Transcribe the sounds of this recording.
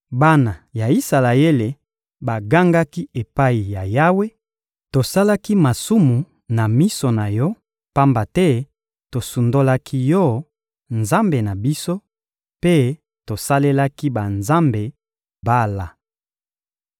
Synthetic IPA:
ba˦na˨ja˨i˦sa˨la˨e˦le˨ | ba˨ɡa˦ŋɡa˦ki˦e˨pa˦i˨ja˨ja˦we˦ | to˨sa˦la˦ki˦ma˨su˦mu˨ | na˨mi˦so˨na˨jɔ˦ | pa˦mba˨tɛ˦ | to˨su˨ndo˦la˦kʰi˦jɔ˦˨˦ | nza˦mbe˨na˨bi˦so˦ | pe˦ | to˨sa˦le˦la˦ki˦ba˨nza˦mbe˨ | ba˦la˨

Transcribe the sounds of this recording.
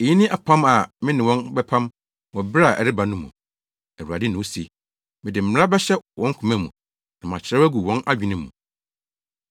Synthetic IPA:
e˨jĩ˦nɪ̃˦ʔa˨pʰã˦ma˨mɪ̃˦nɪ̃˨wɔ̃˦nbɛ˦pʰã˦m | wɔ̃˨bɾa˨ʔɛ̰˨ɾɪ˦ba˨nʊ̃˦mːṵ̃˨ | æ˨a˨dɪ˦nʊ̃˨˦si˨e˨ | mɪ̃˨dɪ˨m̩˨m˦ɾa˦bɛ˦ɕɛ˦wʔɔ̃˦ŋ̩˦kʰũ˨mɛ̃˦mːũ˨ | nã˨mã˨t͡ɕʰɪ˨ɾɛ˦wæ˦ɡu˨wɔ̃˦nʔa˦d͡ʑᶣĩ˨nɪ̃˦m̩ːṵ̃˨

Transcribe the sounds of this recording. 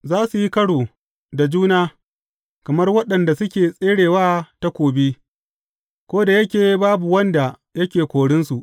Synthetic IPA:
zaː˦su˨ji˦kɐ˦ɽoː˨ | da˨d͡ʒuː˦naː˦ | kɐ˨mɐ˦rwɐ˦ɗɐ˨nda˨sʊ˦kʲeː˨sʼeː˦ɽeː˨waː˦ta˦kʷoː˨bi˦ | kʷoː˦da˨jɐ˦kʲeː˨baː˦bu˨wɐ˦nda˨ | jɐ˦kʲeː˨kʷoː˨ɽɪ˦nsu˨ʔ

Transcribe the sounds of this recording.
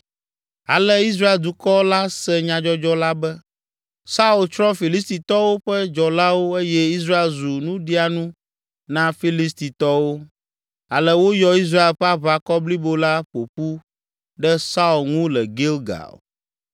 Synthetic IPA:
a̰˨lɛ˦i˦s̬ɾa˦e˨ld̪u˨kɔ˦la˦sɛ˦ɲã˨d͡ʒɔ˦d͡ʒɔ˦la˦bɛ˦ | sa˦u˨lt͡ʃɾɔ̃˦fi˨li˦s̬t̪i˨t̪ɔ˦wo˦ɸɛ˦d͡ʒɔ˨la˦wo˦e˦jɛ˦i˦s̬ɾa˦e˨lzu˨nũ˦ɖi˦a˨nũ˦ | nã˦fi˦li˦s̬t̪i˨t̪ɔ˦wo˦ | a̰˨lɛ˦wo˦jɔ˦i˦s̬ɾa˦e˨lɸɛ˦a˦βa˦kɔ˦bli˦bo˦la˦ɸo˨ɸu˦ | ɖɛ˦sa˦u˨lŋũ˦lɛ˨ɡe˦lɡa̰˨l

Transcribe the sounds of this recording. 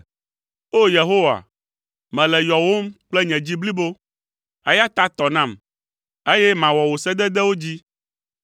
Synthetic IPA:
o˦je˨ɦo˦wa̰˨ | mɛ̃˨lɛ˨jɔ˨wo˦mk͡plɛ˦ɲɛ̃˨d͡ʑi˦bli˦bo˦ | e˦ja˦t̪a˦t̪ɔ˨nã˦˨m | e˦jɛ˦mã˨wɔ˨wo˨sɛ˦d̪ɛ˦d̪ɛ˦wo˦d͡ʑi˦

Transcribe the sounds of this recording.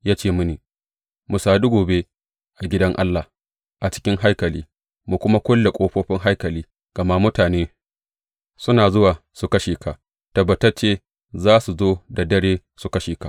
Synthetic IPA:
jaː˦t͡ʃeː˦mʊ˦niː˨ | mʊ˨saː˨du˦ɡoː˨be˦ | ʔa˨ɡʲɪ˦dɐ˦ŋʔa̰˦lːa˨ | ʔa˨t͡ʃɪ̥˦kʲɪ˦ŋɦa˦jkɐ˨liː˦ | mu˨kʷʊ˦ma˦kʷʊ˦lːe˨kʷʼoː˦ɸoː˦ɸɪ˦ŋɦa˦jkɐ˨liː˦ | ɡ̥ɐ˨ma˦mʊ˦taː˨neː˦ | sʊ˦naː˨zʊ˦waː˨ | su˨kɐ˦ʃeː˨ka˨ʔ | tɐ˨bːɐ˨tɐ˦rt͡ʃeː˦ | zaː˦su˨zoː˦da˨dɐ˦ɽeː˦ | su˨kɐ˦ʃeː˨ka˨ʔ

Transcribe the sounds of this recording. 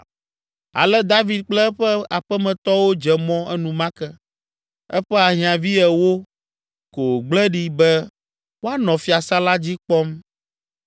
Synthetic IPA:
a̰˨lɛ˦d̪a˦vi˨d̪̚k͡plɛ˦ɸɛ˦a˨ɸɛ˦mɛ̃˨t̪ɔ˦wo˦d͡ʒɛ˨mɔ̃˦ʔɛ˦nũ˨mã˦kɛ˦ | ɛ˦ɸɛ˦a˨ɦĩ˨˦ã˨vi˦ɛ˨wo˦ | ko˨ɡ͡blɛ˦ɖi˦bɛ˦ | wo˦a˦nɔ̃˨fi˦a˨sa˦la˦d͡ʑi˦k͡pɔ˦m

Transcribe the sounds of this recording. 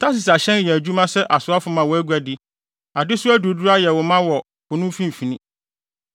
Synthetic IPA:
tʰa˦s̬ɪ˨sa˨ɕɛ̃˦njɛ˨æ˨d͡ʑᶣu˦mã˦sɛ˦ʔa˨sʊ˨˦a˦fʊ˦mã˨wɔ˨˦æ˦ɡu˦æ˨dɪ˦ | a˨dɪ˦sʊ˦æ˦du˨du˦ɾa˦jɛ˨wʊ˨mã˦wɔ˨ | kʊ˨nʊ̃˦fĩ˦m˨fi˨nĩ˦

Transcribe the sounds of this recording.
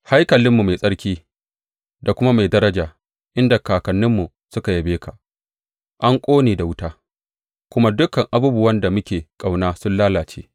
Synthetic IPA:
ha˦jkɐ˨lɪ˦mːu˨ma˨jsʼɐ˦ɽkʲiː˦ | da˨kʷʊ˦ma˦ma˨jdɐ˦ɾɐ˦d͡ʒaː˨ | ʔɪ˦nda˨kaː˨kɐ˨nːɪ˦mːu˨ | sʊ˦ka˨ja˨beː˦ka˨ | ʔa˦ŋkʷʼoː˦neː˨da˨wʊ˦taː˦ | kʷʊ˦ma˦dʊ˦kɐ˨ŋʔa˨buː˦bʊ˦wɐ˦nda˨mʊ˦kʲeː˨kʼa˨wnaː˦sʊ˦nlaː˦laː˨t͡ʃḛː˦

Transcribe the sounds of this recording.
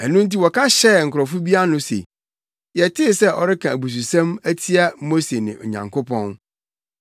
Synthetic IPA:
ɛ˨nʊ̃˦n̩˦t̬i˦wɔ˨kʰã˦ɕɛ˦˨ŋ̩˨kʰʊ˨ɾɔ˨fu˦bi˦a˦nʊ̃˦sḛ˨ | jɛ˨tʰɪ˦˨sɛ˦ʔɔ̰˨ɾɪ˦kʰã˨æ˨bu˨s̬u˨sã˦mæ˦tʰi˦a˦mo˦se˨nɪ̰̃˨ʔɔ̰˨ɲã̰˨ŋkʊ˦pʰɔ̃˦n

